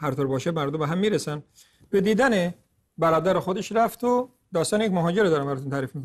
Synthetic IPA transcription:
hæɾt̪oːɾbɒːʃemæɾd̪ombeɦæmːiːɾesæn | b̥ed̪iːd̪æne | bæɾɒːd̪æɾexod̪eʃɾæft̪ʰo | d̪ɒːst̪ɑːnejecʲmoɦɒːd͡ʒeɾed̪ɒːɾæmbæɾɑːt̪unt̪ʰæɾiːfmikon

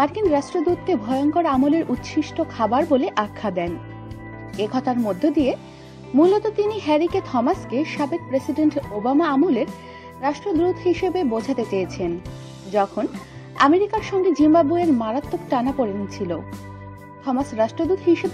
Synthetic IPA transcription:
maɾkinɾaʃʈɾod̪ut̪̚kebʱɔjoŋkoɾamuleɾʔut̪ːɕʰiʃʈokʰabaɾboleʔakʰːad̪ɛn | ekʰɔt̪ʰaɾmod̪ʱːed̪ie | mulot̪ot̪iniɦɛɾiket̪ʰɔmaskeʃabek̚pɾesiɖeɳʈobamaamoleɾ | ɾaʃʈɾod̪ut̪ɦiʃebebod͡ʑʱat̪et͡ɕejet͡ɕʰen | d͡ʑɔkʰon | ameɾikaɾʃɔŋɡed͡ʑimbabueɾmaɾat̪ːok̚ʈanapoɾent͡ɕʰilo | t̪ʰɔmasɾaʃʈɾod̪ut̪ʰɦiʃeb

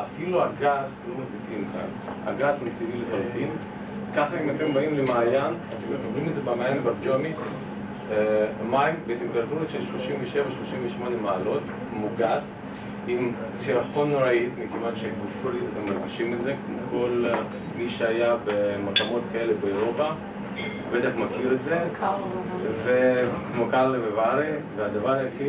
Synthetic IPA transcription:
ʔafiluaɡaslomasifimka̰n | a̰ɡasimt̪iviletalt̪in | kaχaimat̪e̞mbaimlemaːjanat̪emetabʁimezebamaːjanbad͡ʒomi | maimbet̪emɡalfuet͡ʃelʃlo̞ʃimveʃe̞vaʃlo̞ʃimveʃmo̞ne̞maːlo̞t | moɡas | im | t͡siɾaχo̞nːoɾait̪mikimatʃeɡufɾiat̪emːaɾɡiʃimetzekmokʰo̞l | miʃeajabemakamo̞t̪kae̞lebeoɾopa | bet̪aχmakiɾetze | vekmokalvevaɾivead̪avaɾajeki

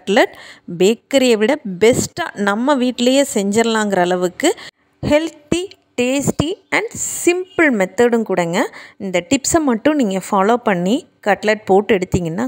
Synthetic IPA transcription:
ɐʈlɐʈbeːkːɪɾɪjɐʋɪɽɐbɛsʈanɐmːɐʋiːʈːɪlɐjeːsɛɲd͡ʒɐɾɐlãːŋɡɪɾɐːlɐʋɯkːɯ | hɛlt̪i | ʈeːsʈiɐɳɖsɪmpɨlmɛt̪ːɐɽɯmkuːɽɐŋɡɐɪnd̪ɐʈɪpsɐmɐʈːʊ̃niːŋɡɐfaːloːpɐɳːi | kɐʈlɐʈ̚poːʈːɯɛɽɯt̪ːiːŋɡɐnːaː

